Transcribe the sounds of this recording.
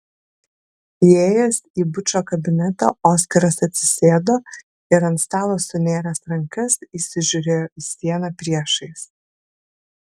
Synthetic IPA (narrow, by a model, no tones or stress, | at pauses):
ieːjɛsiːbʊt͡ʃʲoːkɐbʲɪnʲɛt̪ɐ̰ːoːskɐɾɐsɐt̪ʲsʲɪsʲeːd̪oː | ɪɾɐnt̪st̪ɑːlˠoːsʊnʲeːɾʲɛsɾɐŋkɐsiːsʲɪʒʲʊɾʲeːsʲiɛnɐpʲɾʲiɛʃɐɪs